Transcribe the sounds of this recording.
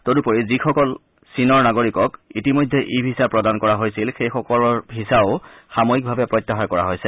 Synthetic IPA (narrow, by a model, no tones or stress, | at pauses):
todupoɹizixɔkɔl | sinɔɹnaɡoɹikɔkitimojdʱːɛʔibʱisapɹɔdankɔɹaɦojsilxejxɔkɔlɔɹbʱisaʊxamojik̚bʱabɛpɹɔjtːaxaɹkɔɹa̰ɦojsɛ